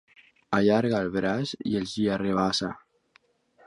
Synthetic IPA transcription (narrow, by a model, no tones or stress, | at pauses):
aʎaɾɣaːlβɾazḭelziareβ̞asa